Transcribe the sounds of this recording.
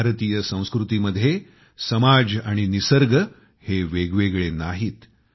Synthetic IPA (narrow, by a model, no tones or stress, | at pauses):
aɾt̪ijəsə̃w̃skɾut̪iməd̪ʱːje | səmad͡zaɽ̃inisəɾɡə | heʋeɡʋeɡɭenaɦiːt̪